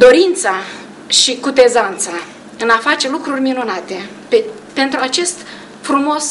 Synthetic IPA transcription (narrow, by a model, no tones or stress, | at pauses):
d̪o̞ɾint̪sa | ʃikut̪e̞zant̪sa | ɨnafat͡ʃe̞lukɾurʲminunat̪e̞ | pe | pe̞nt̪ɾuat͡ʃe̞st̪ | fɾumo̞s